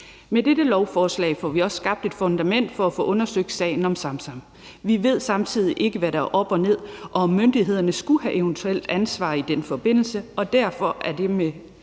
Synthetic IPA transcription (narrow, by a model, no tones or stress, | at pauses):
med̥eɾəlɒʊfɒːslɛ̰ɪfɒʋiɒ̽sːɡ̥ɑ̈b̥̚d̥e̝d̥fɔ̽nd̥æmen̰d̥fɒ̽æfɔ̽ːʔɔ̽nɐsøɡ̥d̥sɛ̰ɪn̩ɒ̽msɑ̈msɑ̈m̰ | ʋiʋe̝ð̞̰ˠsɑ̈mt͡sʰið̰ˠiʔe̝ɡ̥əʋæɾɑ̈ʔɒ̽b̥ɒ̽ne̝ð̞̰ˠʔɒ̽ɒ̽mːønd̥iɦe̝ð̞̰ˠɐnəsɡ̥uhæʔeʊnt͡sʰuel̰d̥ænsʋɑ̰̈ːid̥enfɒ̽b̥e̝n̰l̩səɒ̽d̥æɐfɒ̽ʔæɐd̥e̝me